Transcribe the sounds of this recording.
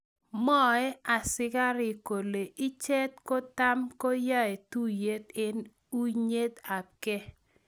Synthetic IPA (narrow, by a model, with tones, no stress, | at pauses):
mɔ˦ɛ˦a˨sɪ˦ka˦ɾɪ˨ko˨le˨ʔi˦t͡ʃe˦tko˦ta˦mko˦ja˦ɛ˨tu˦je˦t̪ɪ˦n | u˦ɲe˦t̪a˨kɛ˦